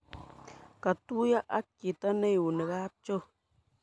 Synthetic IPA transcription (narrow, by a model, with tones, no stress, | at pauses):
ka˨tu˦ja˦ʔa̰˦ki˨ta˦ne˦ju˨ne˨ɣa˦p̚t͡ʃo˦